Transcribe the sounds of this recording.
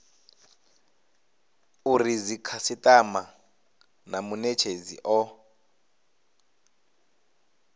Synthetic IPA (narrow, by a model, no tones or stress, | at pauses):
urizikʰasitʼama | namunɛt͡ʃʰezḭʔɔ